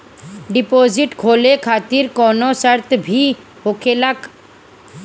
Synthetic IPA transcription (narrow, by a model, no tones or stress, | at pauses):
ɖipod͡ʑiʈkʰolekʰat̪iɾkɔnosaɾt̪bʱi | ɦokʰelak